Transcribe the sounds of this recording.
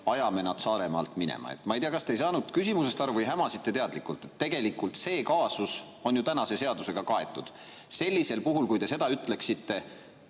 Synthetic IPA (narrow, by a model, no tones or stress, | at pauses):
ɑjɑme̞nɑd̪̥sɑːɾe̞mɑ̰lt̪minḛmʔɑ̰ḛt̪ːˑmɑejt̪iɑkɑst̪ejsɑːnud̪̥kysimusest̪ɑɾuvɯjɦæmɑsit̪ːˑe̞t̪eɑd̪likːˑult̪ˑe̞t̪ːe̞ɡ̥e̞likult̪se̞ːkɑːsus | o̞njut̪ænɑse̞se̞ɑd̪use̞ɡ̥ɑkɑe̞t̪ːˑud̪̥ | se̞lʲːise̞lpuɦulkujt̪e̞se̞d̪ɑyt̪ˑle̞ksit̪ːe̞